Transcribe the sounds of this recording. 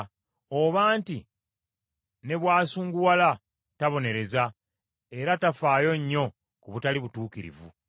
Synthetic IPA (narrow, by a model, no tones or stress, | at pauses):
oβaːnti | ne̞βwaːsuːŋɡuwala | taβo̞ne̞ɾe̞za | e̞ɾatafaːjo̞ɲːo̞ | kuβutaliβutuːkiɾḭvṵ